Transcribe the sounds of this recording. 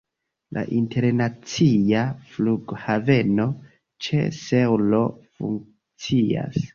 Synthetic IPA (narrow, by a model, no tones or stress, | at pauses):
lʔa̰ʔinte̞ɾnat͡siafluɡhave̞no̞ | t͡ʃese̞wlo̞fṵŋ | t͡sia̰s